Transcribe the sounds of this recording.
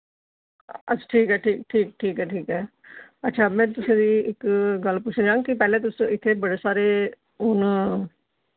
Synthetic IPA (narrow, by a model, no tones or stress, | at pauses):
əʈʰiːkɦɛːʈʰiːk̚ʈʰiːk̚ʈʰiːkɦɛːʈʰiːkɦɛːətːʃʰaːmɛ̃ːt̪ʊsẽːd̪iːɪkɡəlpʊt͡ʃʰːd͡ʒãːŋɡkɪpɛːlẽːt̪̬ʊsõːɪt̪ʰːeːbəɽeːsaːɾeː | ʊn